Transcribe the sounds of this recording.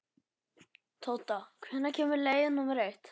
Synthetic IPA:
t̪ʰoːwt̪akʰvɛnːacʰɛːmʏɾleːjðɪnːumɛɾejt̪

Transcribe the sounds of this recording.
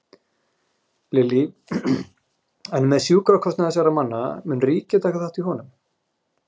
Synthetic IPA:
lɪli | ɛnmɛðsjuːkɾakʰɔsnɪθɛsaɾamanːa̰mʏnriːcɪt̪ʰaːhkaθaht̪iɦɔnʏm

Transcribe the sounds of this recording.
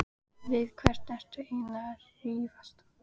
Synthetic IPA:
vɪðkʰvɛr̥t̪nɛr̥t̪ainaɾ̥hiːvast̪

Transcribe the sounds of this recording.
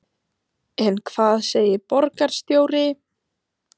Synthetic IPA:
ɛnkʰv̥aːðseːjɪpɔɾkaɾ̥st̪joːwɾɪ

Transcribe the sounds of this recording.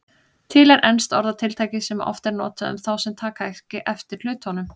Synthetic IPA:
t̪ʰɪlɛɾʔɛnst̪ɔɾðat̪ʰɪlt̪ʰajcɪsɛma̰ʔɔ̰ft̪ɛɾnɔːt̪aʏ̰mθawsɛmt̪ʰaːkaɛhcɪʔɛft̪ɪɾ̥l̥ʏːɥt̪hɔnʏm

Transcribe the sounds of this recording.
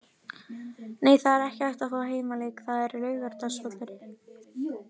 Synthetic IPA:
neːjθaðɛɾɛhcɪajht̪afɔaɦeːjmaleːjkθaðɛɾlœːɥɣaɾ̥t̪asvɔːt̪ɪɾ

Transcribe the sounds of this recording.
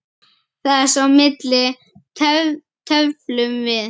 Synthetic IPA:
θaðɛɾ̥sawmɪt̪lɪ | t̪ʰœvlʏmvɪð

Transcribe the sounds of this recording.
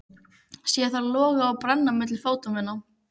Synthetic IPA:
sjɛθaɾlɔːɣaawpɾanːamɪt̪lɪlfoːwt̪ʏmɛnːaw

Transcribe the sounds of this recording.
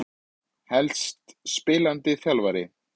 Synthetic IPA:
hɛlst̪spɪːlant̪ɪθjalvaɾɪ

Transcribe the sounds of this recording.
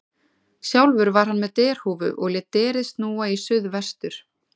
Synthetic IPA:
sjawlvʏɾvaɾ̥ɦanmɛðt̪ɛːɾ̥huːvʏ̰ʔɔɣlɛt̪ɛːɾɪðst̪nuːaisʏðvɛst̪ʏɾ̥

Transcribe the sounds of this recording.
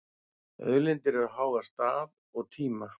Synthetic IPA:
œ̰ðlɪnt̪ɪɾaðɦaːwðast̪aːð | ɔɣt̪ʰiːma

